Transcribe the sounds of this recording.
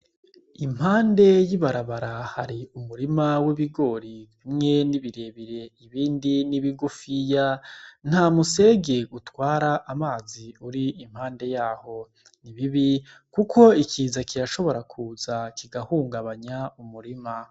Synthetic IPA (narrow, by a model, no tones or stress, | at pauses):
im̥haːnde̞jiβaɾaβaɾahaɾiumuɾimawiβiɡo̞ːɾi | imŋe̞niβiɾe̞ːβiɾe̞iβiːndiniβiɡufijan̥hamuse̞ɡeɡutwaːɾaʔamaːziuɾiim̥haːnde̞jaːho̞ | niβiβi | kukʰo̞ikʰiːzakʰiɾaʃo̞βo̞ɾakʰuːzakiɡahuːŋɡaβaɲaumuɾima